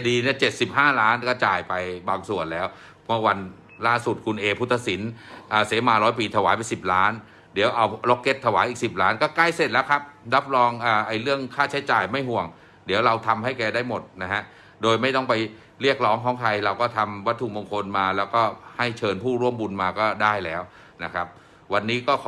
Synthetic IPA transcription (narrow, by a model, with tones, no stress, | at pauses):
diː˧ni˥˩ɐt͡ɕe˨˩t̪̚si˨˩p̚ɦaː˥˩ɾaː˦˥nkɔː˥˩t͡ɕaː˨˩jpa˧jbaː˧ŋsu˨˩ənlɛː˦˥w | mɯ˥˩˨wa˧n | laː˥˩su˨˩t̪̚kʰu˧nʔeː˧pʰu˦˥t̪ʰːa˧si˩˦nʔaː˨˩se˩˦maː˧ɾɔː˦˥jpiː˧t̪ʰa˧waː˩˦pa˧nsi˨˩p̚ɾaː˦˥n | di˩˦əwʔa˧wlo˦˥kːe˦˥t̪ʰːa˧waː˩˦jʔiː˨˩k̚si˨˩p̚ɾaː˦˥nkɔː˥˩ka˥˩jse˨˩t̪̚lɛː˦˥wkʰa˦˥p̚ɾa˦˥p̚lɔː˧ŋʔaː˨˩ʔa˧jɾɯ˥˩əŋkʰaː˥˩t͡ɕʰa˦˥jt͡ɕaː˨˩jma˥˩jɦu˨˩əŋ | di˨˩˦əwɾa˧wt̪ʰa˧mɦa˥˩jkɛː˧daː˥˩jmo˨˩t̪̚na˦˥ɦa˦˥ʔ | doː˧jma˥˩jt̪ɔ˥˩ŋpa˧j | ɾi˥˩ək̚ɾɔː˦˥ŋkʰɔː˩˦ŋt̪ʰa˧jɾa˧wkɔː˥˩t̪ʰa˧mwa˦˥t̪ʰːu˧˩bo˧ŋkʰo˧nmaː˧lɛː˦˥wkɔː˥˩ha˥˩jt͡ɕʰɤː˧npʰuː˥˩ɾu˥˩əmbu˧nmaː˧kɔː˥˩daː˥˩jlɛː˦˥w | na˦˥kʰa˦˥p̚ | wa˧nːiː˦˥kɔː˥˩kʰː